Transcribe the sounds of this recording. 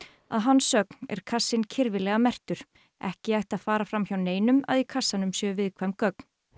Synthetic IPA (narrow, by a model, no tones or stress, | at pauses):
a̰ðɦanːsœknɛ̰ɾ̥kʰasːɪncʰɪɾvɪlɛɣamɛr̥t̪ʏɾ̥ | ɛhcɪajht̪aðfaːɾafɾamçawneːjnʏma̰ðikʰasːanʏmsjɛːvɪðkʰvajmkœk̚n̥